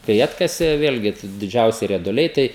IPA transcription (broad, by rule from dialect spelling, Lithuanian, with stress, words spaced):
kɐɪ ˈɑːtkɐsʲeː ˈʋʲeːlʲɡʲɪ t dʲɪˈd͡ʒʲɛʊsʲɪ rʲiɛdʊˈlʲɛɪ ˈtɐɪ